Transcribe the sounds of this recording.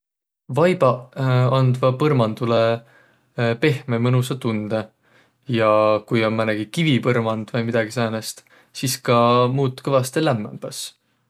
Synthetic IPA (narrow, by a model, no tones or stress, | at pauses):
vɑjb̥ɑɑnd̪vɑpɤrmɑnd̪̥ule | pe̞hmemɤnusɑt̪und̪̥e | jɑkujo̞nmæneɡ̥ikivipɤrmɑnd̪̥vɤjmid̪̥ɑɡ̥isæːnest̪ | siskɑmuːt̪ːˑkɤvɑst̪elæmːḛmb̥ɑs